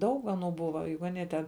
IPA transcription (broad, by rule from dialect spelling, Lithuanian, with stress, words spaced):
ˈdɐʊk ɐˈnuː ˈbʊʋɐ ˈjʊk ɐˈnʲiɛ tʲɛn